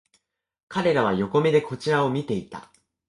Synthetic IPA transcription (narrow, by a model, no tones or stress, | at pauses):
kaɾe̞ɾaβ̞ajo̞ko̞mʲed̪e̞ko̞t͡ɕiɾao̞mʲit̪e̞it̪a̰